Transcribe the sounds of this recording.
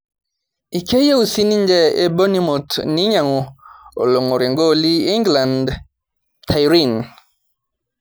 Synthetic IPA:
i˨ke˦je˦u˨si˦ni˦nd͡ʒɛ˦ḛ˦bo˦ni˦mo˨tni˦ɲa˨ŋɔ˨o̰˨lo˨ŋo˨ɾɪ˨ŋɡo˦˨li˦i˦ŋɡla˨nd | tʰa˨jɾi˦˨n

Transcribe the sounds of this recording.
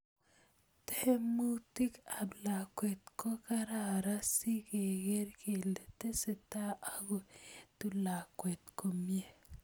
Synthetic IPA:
te˦he˦mu˦ti˦ka˨bla˨kwe˨tko˦ka˦ɾa˨ɾa˦si˦ke˨ɡe˦ɾkʰe˨le˨te˦se˨ta˦ʔa˨ko˨tu˨la˨kwe˨tko˨mje˦

